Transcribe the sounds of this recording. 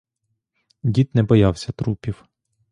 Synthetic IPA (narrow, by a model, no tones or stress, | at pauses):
dʲit̪nɛbɔjɑwsʲɐt̪ɾupʲiw